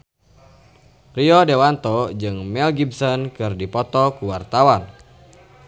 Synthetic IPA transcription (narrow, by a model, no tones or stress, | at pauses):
riɔdewant̪ɔd͡ʒɨŋmɛlɡibsɔnkɨrdipɔt̪ɔkuwart̪awan